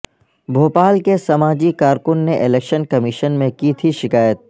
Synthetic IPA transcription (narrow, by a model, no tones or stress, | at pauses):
bʱoːpaːlkesɐmaːd͡ʒikaːɾkʊnːeʔɪleːkʃənkɐmɪʃənmẽkit̪ʰiʃɪkaːjət̪̚